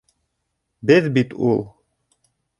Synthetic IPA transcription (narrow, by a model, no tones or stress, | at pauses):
bɘðbit̪ʰṵlˠ